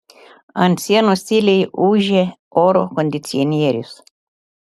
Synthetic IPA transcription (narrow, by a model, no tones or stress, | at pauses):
ansianosilejʔuʒe | oɾo̰kond̪it͡sioneɾus